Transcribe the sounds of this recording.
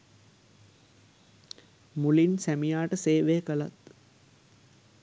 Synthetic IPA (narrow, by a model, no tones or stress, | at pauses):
mulinsæmijaːʈəseːʋekəlat̪